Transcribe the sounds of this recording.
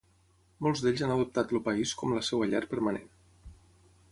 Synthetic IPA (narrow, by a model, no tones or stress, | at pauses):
molˠzðeʎzanəðup̚t̪at̪lupəiskɔmləsɛwəʎɛ̰ɾpəɾmənḛn